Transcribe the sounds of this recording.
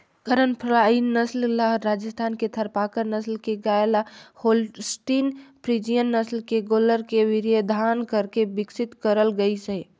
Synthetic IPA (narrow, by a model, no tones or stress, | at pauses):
kəɾənpʰɾainːəsllaɦɾad͡ʒəst̪ʰaːnket̪ʰəɾpakəɾnəslkeɡaelaholsʈinpʰɾid͡ʒijənːəslkeɡoləɾkeʋiɾjed̪ʱankəɾkebɪksit̪kəɾəlɡəisɛ